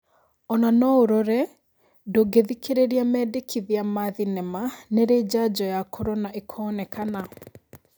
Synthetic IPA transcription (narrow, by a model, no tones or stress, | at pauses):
ɔnanɔoɾɔɾɛ | doɡeðikeɾeɾiamɛdekʰiðiamaðinɛmaneɾeːd͡ʑad͡ʑɔjakʰɔɾɔnaʔekʰɔnɛkʰana